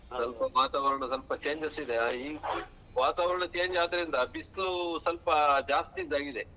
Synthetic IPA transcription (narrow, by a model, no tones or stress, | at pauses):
sɐlpɐʋaːt̪aːʋɐɾɐɳɐsɐlpɐt͡ʃeːɲd͡ʒɐsid̪eiːɡ | ʋaːt̪aːʋɐɾɐɳɐt͡ʃe̞ːnd͡ʒaːd̪ɐɾind̪ɐbistusɐlpɐd͡ʒaːst̪id̪aːɡid̪e